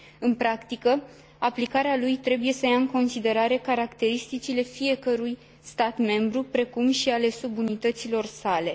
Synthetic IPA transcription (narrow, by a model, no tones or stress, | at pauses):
ɨnpɾakt̪ikə | aplikaɾealujt̪ɾe̞buje̞səjaɨŋko̞nsid̪e̞ɾaɾe̞kaɾakt̪e̞ɾist̪it͡ʃile̞fije̞kəɾuj | st̪at̪me̞mbɾupɾe̞kumʃiale̞subunit̪ət̪silo̞rsale̞